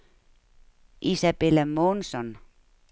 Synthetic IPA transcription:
isæpelemːonson

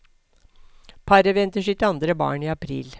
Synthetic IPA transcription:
pʰɑɾəʋɛnt̪əʂɪt̪ɑnd̪ɾəbɑ̰ːɳiːɑpʰɾḭːl

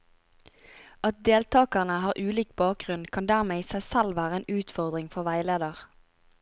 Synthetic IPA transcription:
ɑt̪̚d̪eːlt̪ʰɑːkɑʁnəhɑːʁʔʉːliːk̚bɑːk̚ɡʁʉnkʰɑnd̪æʁmeːiːsæɪsælʋæːʁəeːnʉːt̪fɔʁd̪ʁɪŋfɔʁʋæɪleːd̪əʁ

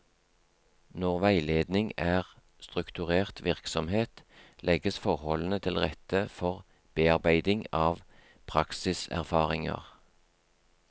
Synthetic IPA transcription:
nɔʁʋæɪleːd̪nɪŋæːʁ | st̪ʁʉkt̪ʉʁeːʁt̪ʰʋɪʁksɔmheːt̪lʔɛɡəsfɔʁhɔln̩ət̪ʰɪlʁɛt̪əfɔʁ | b̥eːɑʁbæɪd̪ɪŋɑːʋ | pʰʁɑksɪsæ̰ʁfɑːʁɪŋɑ̰ʁ

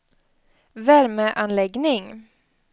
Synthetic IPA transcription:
væɾməʔanlɛɡnɪŋ

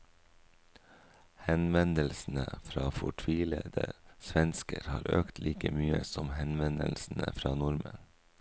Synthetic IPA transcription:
hɛnʋɛnd̪əlsn̩əfɾɑːfɔʈʰʋiːləd̪̥əsʋɛnskəɾhɑːɾøːkt̪ʰlʔiːkəmyːəsɔmhɛnʋɛnd̪əlsn̩ə̰fɾɑːnʊɾmən

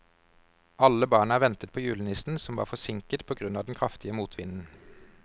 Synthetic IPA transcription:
ʔɑləbɑːɳəæːʁʋɛnt̪ət̪̚pʰoːjʉːlənɪsn̩sɔmʋɑ̰ːfɔsɪŋkət̪̚pʰoːɡʁʉnɑːd̪ɛnkʰʁɑft̪ɪəmuːt̪ʰʋɪnn̩

